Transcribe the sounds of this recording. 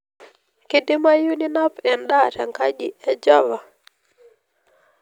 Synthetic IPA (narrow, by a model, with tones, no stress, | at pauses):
kɪ˦dɪ˦ma˦ju˦ni˦na˦pɛ˨nɗa˦˨tɛ˨ŋka˦d͡ʒi˨ɛ˨d͡ʒɔ˦va˨